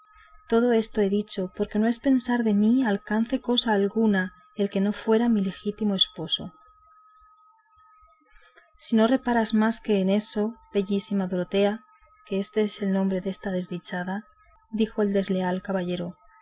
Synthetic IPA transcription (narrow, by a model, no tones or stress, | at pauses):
t̪o̞ð̞o̞e̞st̪oe̞ðit͡ʃo̞po̞ɾke̞noe̞spe̞nsaɾðe̞mialkan̟θe̞ko̞saːlɣuna | elke̞no̞fwe̞ɾamile̞xit̪imo̞e̞spo̞so̞ | sino̞re̞paɾazmaske̞ːne̞so̞be̞ʝisimaðoɾot̪e̞a | keest̪e̞ese̞lnõ̞mbɾe̞ðe̞st̪að̞e̞zðit͡ʃaða | ðixo̞e̞ld̪e̞zle̞alkaβaʎe̞ɾo̞